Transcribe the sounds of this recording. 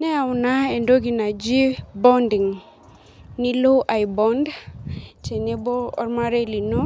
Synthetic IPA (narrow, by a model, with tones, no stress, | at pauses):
nɛ˦a˨wna˦e˨ndo˦ɡi˨na˨d͡ʒi˦bɔ˦ndi˨ŋ | ni˦lo˦ʔa˨jbɔ˦nd | t͡ʃɛ˨ne˦bɔ˦ɔ̰˦ɾma˦ɾe˦li˨nɔ˦